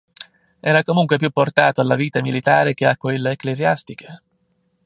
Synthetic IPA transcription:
ɛːɾakomuŋkwep̬jupːort̪aːt̪oalːaviːt̪amilit̪aːɾek̟eakːwelːeːklezjast̪ik̟e̥

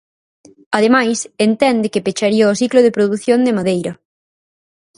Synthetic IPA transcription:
aðemajsent̪ɛnd̪ɪkɪpet͡ʃaɾiɐosikloðepɾoðuθjond̪emaðejɾɐ

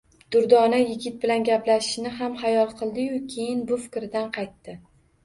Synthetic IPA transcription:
d̪̥ʊɾd̪ɒnajɪɡʲɪt̪̚bɪlanɡʲaplaʃɪ̥ʃnɪɦamhajɒlˠqʰɨlˠd̪ɪjʊkʲʰe̞jɪnbʊfɪ̥kʲɾɪd̪anqʰɑjt̪ːɪ

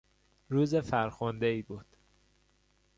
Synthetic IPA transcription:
ɾuːzefæɾxond̪eiːbuːd̪̥

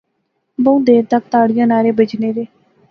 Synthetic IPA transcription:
bəũd̪eːɾt̪ək̚t̪aːɽɪjãːnaːɾeːbəd͡ʒneːɾeː

